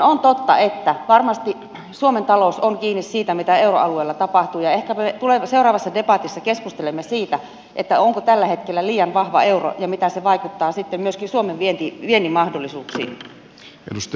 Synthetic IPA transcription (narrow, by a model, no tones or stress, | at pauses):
ont̪ot̪ːɑet̪ːæʋɑrmɑst̪i | suoment̪ɑlousoŋkiːnːissiːt̪æmit̪æeuroɑlueːlːɑt̪ɑpɑht̪uːjɑehkæpmet̪uleseurɑːʋɑsːɑdepɑt̪isːɑkeskust̪elemːesiːt̪æ | ʔet̪ːæoŋkot̪ælːæhet̪kelːæliːjɑnʋɑhʋɑ̰euro̰jɑmit̪æseʋɑikut̪ːɑːsit̪ːemmyøskinsuomeʋʋient̪iʋienimɑhdolːˑisuːksḭːn | ḛdust̪